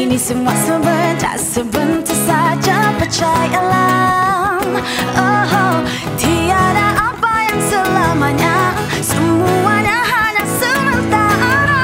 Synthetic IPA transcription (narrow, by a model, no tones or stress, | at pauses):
inisəmuaʔsəmənda̰səbənt̪əsad͡ʒapət͡ʃajala | məɦ | t̪iadaʔapajaŋsəlamaɲa | səmuaɲaɦaɲasəmənt̪aa